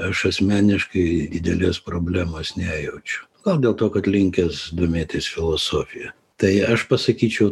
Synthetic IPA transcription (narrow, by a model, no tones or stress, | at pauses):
ɐʃɐsʲmʲæːnʲɪʃkɐɪd̪ʲɪd̪ʲɛlʲeːspɾoːbʲlʲæːmoːsnʲæːjɛʊt͡ʃʲʊ̥ɡ̥ɐlˠd̪ʲeːlˠt̪oːkɐt̪lʲɪŋʲkʲɛsd̪omʲeːt̪ʲɪsfʲɪlˠoːsoːfʲɪjɛ | t̪ɐɪɐʃpɐsɐkʲiːt͡ʃʲɛʊ